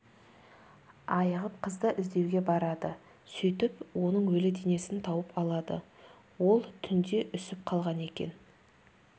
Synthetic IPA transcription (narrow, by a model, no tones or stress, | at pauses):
ɑjəʁəp̚qʰəzd̪ɑʔɪzd̪e̞wɡʲe̞bɑɾɑd̪ə | sʏjt̪ɪpwonəɴwɵlɪd̪ene̞sɪnt̪ʰɑwəpɑlˠɑd̪ə̰ | wo̞lˠt̪ʰʏnd̪e̞ʔʏsɪp̚qʰɑlˠʁɑne̞kʲe̞̰n